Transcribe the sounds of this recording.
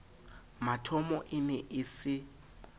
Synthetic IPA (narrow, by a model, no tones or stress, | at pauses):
matʰɔmɔʔɪnɛʔɪsɪ